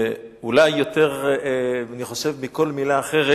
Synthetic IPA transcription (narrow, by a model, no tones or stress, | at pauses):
ulajːo̞t̪e̞ʁ | aniχo̞ʃevmiko̞lmilaːχeʁe